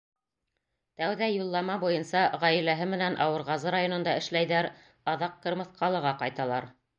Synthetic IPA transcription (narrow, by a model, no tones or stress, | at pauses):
t̪æwðæjulˠːɑmɑbujɤnsɑʁɑjilæɦɘmɘ̆nænʔɑwɤ̆ɾʁɑzɤɾajonŏnd̪ɑɘ̆ʃlæjðæɾ | ɑðɑqːɤ̆ɾmɤ̆θqʰɑlˠɤ̆ʁɑqɑjt̪ɑlˠɑɾ